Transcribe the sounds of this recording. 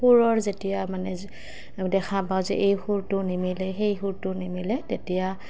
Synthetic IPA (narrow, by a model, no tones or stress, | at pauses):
uɹɔɹzetijamanɛ | dɛkʰapawzɛ̰ʔejxuɹtʊnimilɛxejxuɹtʊnimilɛtetija